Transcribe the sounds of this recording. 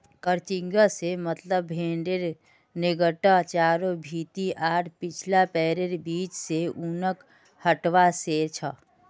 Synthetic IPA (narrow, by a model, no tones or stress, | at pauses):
kəɾt͡ʃɪ̃ŋɡəsemət̪ləbːʱẽːɳɖeɾ | nɪɡəʈat͡ʃaːɾobʱiːt̪iʔaːʈʰpɪt͡ʃʰlapɛːɾeɾbiːt͡ʃseunək | həʈʋaset͡ʃʰə